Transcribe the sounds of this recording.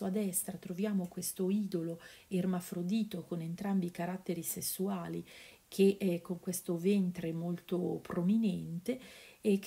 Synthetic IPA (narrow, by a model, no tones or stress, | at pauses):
uad̪ɛst̪ɾat̪ɾovjaːmokwest̪oiːd̪oloermafɾod̪iːt̪okonent̪ɾambikaɾat̪ːeɾisesːuaːli | kʰeʔkːoŋkwest̪ovent̪ɾemolt̪opɾominɛnt̪eɛk